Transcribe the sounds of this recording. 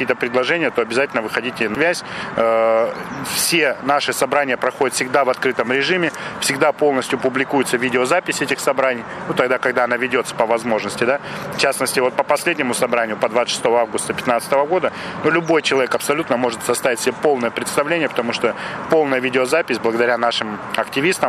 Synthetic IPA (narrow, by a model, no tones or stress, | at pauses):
ɐkʲijət̪əpɾʲɪd̪lˠɐʐɛnʲɪjət̪o̞ɐbʲɪzatʲɪlʲnəvɨxɐdʲitʲɪnvʲæsʲ | fsʲe̞naʂɨsɐbɾanʲɪjəpɾɐxo̞dʲɪt̪fsʲɪɡd̪avɐt̪kɾɨt̪əmɾʲɪʐɨmʲɪfsʲɪɡd̪apo̞lˠnəsʲtʲjʊpʊblʲɪkujʊt̪səvʲidʲɪozapʲɪsʲɛtʲɪxsɐbɾanʲɪjnut̪ɐɡd̪akɐɡd̪aɐnavʲɪdʲo̞t̪sə̥pəvɐzmo̞ʐnəsʲtʲɪd̪aft͡ɕasnəsʲtʲɪvo̞t̪̚pəpɐsʲlʲedʲnʲɪmʊsɐbɾanʲɪjʊpɐd̪vat̪ːʂɨ̥st̪o̞vəavɡʊst̪əpʲɪ̥t̪nat̪sɨ̥t̪əvəɡo̞d̪ənulʲʊbo̞jt͡ɕɪlˠɐvʲekɐpsɐlʲut̪nəmo̞ʐɨt̪sɐst̪avʲɪtʲsʲɪbʲepo̞lˠnəjəpɾʲɪt̪st̪ɐvlʲenʲɪjəpə̥t̪ɐmuʂt̪opo̞lˠnəjəvʲidʲɪozapʲɪsʲblˠəɡəd̪ɐɾʲanaʂɨmɐktʲɪvʲist̪əm